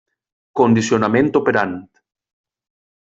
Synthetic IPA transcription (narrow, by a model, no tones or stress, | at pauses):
kond̪isjonamẽnt̪opeɾant̪